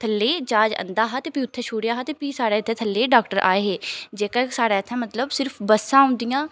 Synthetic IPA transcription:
t̪ʰəlːeːt͡ʃaːd͡ʒə̰nd̪aːɦaːt̪eːpiːʊt̪ʰːeːʃʰuːɽjaːɦaːt̪eːpiːsaːɽaːɪt̪ʰːeːt̪ʰəlːeːɖaːkʈəɾʔa̰ːeːɦeːd͡ʒeːkaːsaːɽaːɪt̪ʰːãːmət̪ləbsɪɾpʰbəsãːʊ̃nd̪ɪjãː

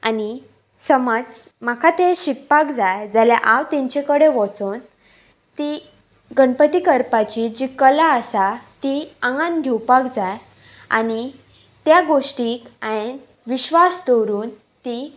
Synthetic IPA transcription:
ani | səmad͡zmakʰat̪eɕik̚pakd͡zajd͡zalja̰ʔawt̪ẽɲt͡ɕekəɽeʋɔ̃t͡son | t̪i | ɡəɳpət̪ikəɾpat͡ɕid͡ʑikəlaəsat̪iaŋɡãnɡʱewpakd͡zaj | a̰ñi | t̪jaɡoʂʈikaen | ʋiɕʋasd̪oɾuːn | t̪i

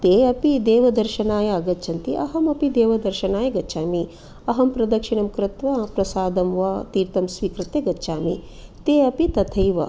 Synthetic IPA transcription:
t̪eːɐpid̪eːʋɐd̪ɐɾʃɐnaːjɐːɡɐːt͡ʃʰɐnt̪iʔɐɦɐmɐpid̪eːʋɐd̪ɐɾʃɐnaːjɐɡɐʃʰaːmi | ɐɦɐmpɾɐd̪ɐkʂiɳɐmkɾɪt̪ʋɐpɾɐsaːd̪ɐmʋɐt̪iːɾt̪ɐmsʋiːkɾɪt̪jeɡɐːʃʰaːmi | t̪eːɐpit̪ɐt̪ʰɐjʋɐ̰

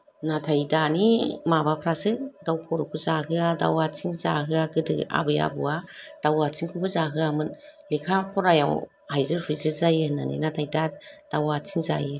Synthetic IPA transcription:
natʰajdanimabapʰɾasɯd̥awpʰɔɾɔkʰɯzaɦɯada̰wat͡sʰiŋzaɦɯaɡɯdɯ̰a̰bɯja̰bɯad̥awat͡sʰiŋkʰupʰɯzaɦɯamɯn | likʰapʰɔɾaja̰w | hajzɯɾpʰɯzɯzajɯna̰nḭnatʰajdad̥awat͡sʰiŋza̰jɯ

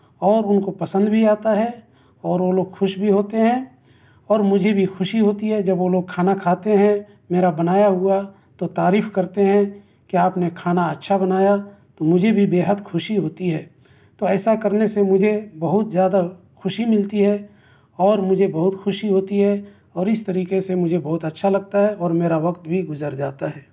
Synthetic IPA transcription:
ɔːɾʊnkopɐsə̃nd̪bʱiaːt̪aɦɛ | ɔːɾʋoloːɡxʊʃbʱiɦoːt̪eɦɛ̃ | ɔːɾmʊd͡ʒʱebʱixʊʃiɦoːt̪iɦɛd͡ʒɐbʋoloːɡ̚kʰaːnakʰaːt̪eɦɛ̃ | meːɾabɐnaːjaɦʊa | t̪ot̪aːɾiːfkɐɾt̪eɦɛ̃ | kiaːpnekʰaːnaɐtːʃʰabɐnaːjat̪omʊd͡ʒʱebʱibeːɦəd̪xʊʃiɦoːt̪iɦɛː | t̪oɛːsakɐɾnesemʊd͡ʒʱebɐɦʊt̪zjaːd̪a | xʊʃimɪlt̪iɦɛ | ɔːɾmʊd͡ʒʱebɐɦʊt̪xʊʃiɦoːt̪iɦɛ | ɔːɾɪst̪ɐɾiːkesemʊd͡ʒʱebɐɦʊt̪ɐtːʃʰalɐɡ̚t̪aɦɛɔːɾmeːɾaʋɐkt̪bʱiɡʊzəɾd͡ʒaːt̪aɦɛː

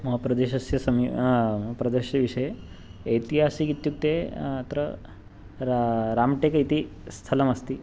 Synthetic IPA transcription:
mɐɦɐpɾɐd̪eʃɐsjɐsɐmmɐɦɐpɾɐd̪əʃjɐʋiʂɐjeː | jt̪iɦasikit̪juk̚t̪et̪ɾə | ɾɾamʈekɐjt̪ist̪ʰɐlɐmɐst̪i

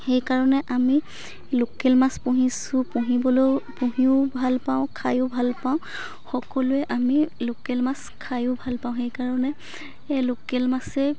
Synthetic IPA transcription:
xejkaɹɔnɛʔami | lokelmaspũɦisʊpuɦibɔlojpuɦiʊbʱalpaʊ̃kʰajʊbʱalpawʊ̃ | xɔkɔlʊɛʔamilokelmas | kʰajʊbʱalpaʊ̃xejkaɹɔnɛ | lokelmasɛ

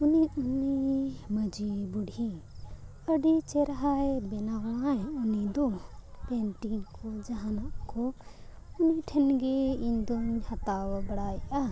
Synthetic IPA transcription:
uniuniməd͡ʒibuɖʱi | əɖit͡ʃɛɾɦajbɛnaɡl̃ajunid̪ɔpɛnʈiŋkɔd͡ʒaɦanaʔkɔ | uniʈʰɛnɡɛiɲd̪ɔɲhat̪awabəɽajʔa

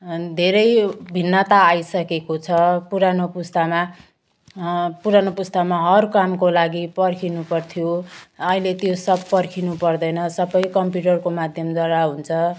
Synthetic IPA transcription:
d̪ʱeɾʌjbʱinːʌt̪aːjsʌkekot͡sʰʌpuɾanopust̪ama | puɾanopust̪amaɦʌrkamkolaɡipʌrkʰinupʌrt̪ʰjoʌilet̪josʌbpʌrkʰinupʌrd̪ʌjnʌsʌbʌjkʌmpjuʈʌrkomad̪ʱjʌmd͡zʌɽaɦunt͡sʰʌ

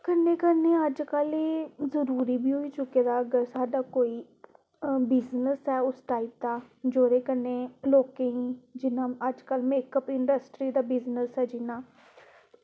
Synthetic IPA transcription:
kənːeːkəɾneːəd͡ʒkəleːzəɾuːɾiːbiːɦoːiːt͡ʃʊkeːd̪aːəɡəɾsaːɖaːkoːiː | bɪznəsɦɛːʊsʈaːiːp̚d̪aː | d͡ʒoːɾeːkənːeːloːkeĩːd͡ʒɪnãːəd͡ʒkəlmeːkəpɪɳɖəsʈɾiːd̪aːbɪznəsɦɛːd͡ʒɪnãː

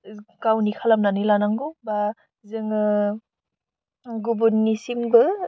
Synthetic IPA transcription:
ɡawnikʰalamnanilanaŋɡuba | zɯŋ | ɡubunːisimbɯ

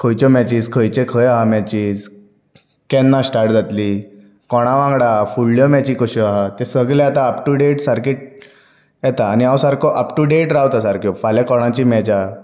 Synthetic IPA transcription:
kʰəjt͡ɕɔmɛt͡ɕiːskʰəjt͡ɕẽkʰəjaɦamɛt͡ɕiːs | kɛnːasʈaɾʈ̚d͡zat̪li | kɔɽ̃aʋãŋɡɽafuɭːjɔmɛt͡ɕikɔɕɔaɦat̪esəɡleat̪aəpʈuɖeʈsaɾkeʈ̚ | jɛt̪aːniawsaɾkʰɔʔəpʈuɖeʈɾawt̪asaɾkʰjɔfalakɔɽ̃ãt͡ɕimɛt͡ɕa

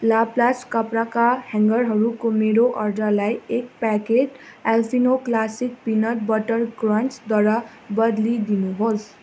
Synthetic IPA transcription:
laplaskʌpɾakahãŋɡʌɾɦʌɾukomeɾoʔʌrɖʌlajek̚pakeʈalpʰinoklasik̚pinʌʈbʌʈʌrɡrʌnt͡sd̪waɾa | bʌd̪lid̪inuɦos

